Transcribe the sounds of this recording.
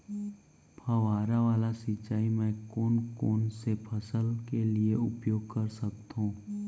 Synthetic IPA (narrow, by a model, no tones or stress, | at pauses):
pʰəʋaːɾaʋaːlasɪt͡ʃːaːimɛ̃koːnkoːnsepʰɐsəlkelieʊpjoːɡ̚kəɾsək̚t̪ɦũː